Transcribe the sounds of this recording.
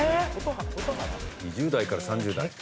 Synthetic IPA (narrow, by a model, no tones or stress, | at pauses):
eot̪oɦaot̪oɦat̪aɲid͡ʑɨːd̪aikaɾasãɲ̟d͡ʑɨːd̪a̰i